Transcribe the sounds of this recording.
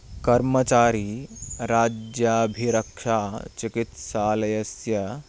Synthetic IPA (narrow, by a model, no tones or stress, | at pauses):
kɐɾmət͡ʃaːɾiɾad͡ʒjabʱiɾɐkʂat͡ʃikit̪saːlɐjɐsjɐ